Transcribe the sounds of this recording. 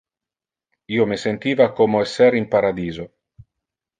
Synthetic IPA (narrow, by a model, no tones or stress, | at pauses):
iːomesent̪iːvakomoɛsːɛɾimpaɾad̪iːzo